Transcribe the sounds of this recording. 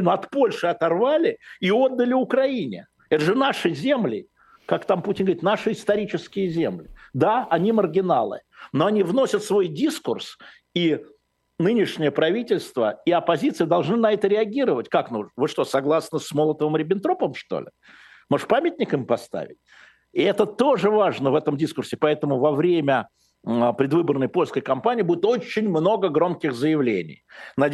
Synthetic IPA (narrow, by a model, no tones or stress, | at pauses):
noɐt̪po̞lʲʂɨɐt̪ɐrvalʲɪio̞d̪ːəlʲɪʊkɾɐinʲɪ̰ | ɛt̪əʐɨnaʂɨzʲe̞mlʲɪ | kakt̪amputʲɪnɡvɾʲit̪naʂɨɪst̪ɐɾʲit͡ɕɪskʲɪjəzʲemlʲɪd̪aɐnʲimərɡʲɪna̰lˠɨ̰noɐnʲivno̞sʲət̪svo̞jdʲiskʊrs | i | nɨnʲɪʂnʲɪjəpɾɐvʲitʲɪlʲst̪vəiɐpɐzʲit̪sɨjəd̪ɐlˠʐnɨnɐɛt̪əɾʲɪɐɡʲiɾəvətʲkaknuʐnvɨʂt̪osɐɡlˠasnəsmolˠət̪əvɨmɾʲɪbʲɪnt̪ɾo̞pəmʂt̪o̰lʲɪ | moʂpamʲɪtʲnʲɪkɨmʲpɐst̪a̰vʲɪ̰tʲ | ɪɛt̪ət̪o̞ʐɨvaʐnəvɛt̪əmdʲiskʊrsʲɪpɐɛt̪əmʊvɐvɾʲemʲə | pɾʲɪd̪vɨbərnəjpo̞lʲskəjkɐmpanʲɪiːbudʲɪt̪o̞t͡ɕːɪnʲmno̞ɡəɡɾo̞mkʲɪxzəjɪvlʲḛnʲɪ̰jnɐ